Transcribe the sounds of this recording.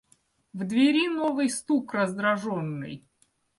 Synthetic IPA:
vd̪vʲɪɾʲinovɨjst̪ukrəzd̪ɾɐʐonːɨ̰j

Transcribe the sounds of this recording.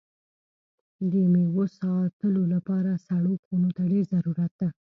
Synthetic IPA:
d̪əmewosɑt̪əlolapɑɾasaɽokonot̪aɖeɾzaɾuɾat̪̚d̪a

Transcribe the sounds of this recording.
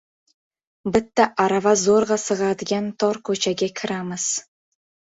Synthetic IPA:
bɪt̪ːaʔaɾavazoɾʁɑsɨʁɑd̪ɪɡʲant̪ʰɒɾkʰɵt͡ʃʰaɡʲakʲʰɪɾamɪz̥

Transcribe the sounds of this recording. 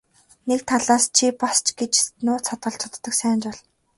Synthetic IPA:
nekt̪ʰaɮaːst͡ɕʰipast͡ɕɡet͡ɕnʊːt͡sʰat̪̚ɢə̆ɬt͡ɕʰʊt̪ːə̆ksæːnt͡ɕpɔɮ̥

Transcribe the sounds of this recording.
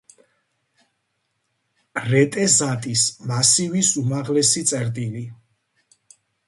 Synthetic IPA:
ɾɛt̪ʼɛzat̪ʼismasivisumaʁlɛsit̪sʼɛɾd̪ili

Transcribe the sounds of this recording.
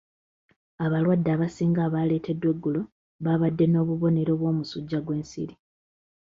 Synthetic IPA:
aβalwadːaːβasiːŋɡaːβale̞ːte̞dːwe̞ɡːulo | βaβadːe̞no̞ːβuβone̞ɾo̞βwo̞ːmusuɟːaɡwe̞ːnsḭɾi

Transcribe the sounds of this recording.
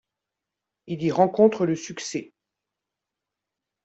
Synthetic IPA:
iliʁɑ̃kɔ̃t̪χələsyksɛ

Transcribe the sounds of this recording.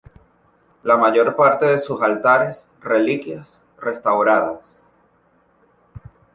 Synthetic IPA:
lamaʝo̞ɾpaɾt̪e̞ðe̞susalt̪aɾe̞s | re̞likjas | re̞st̪awɾaðas

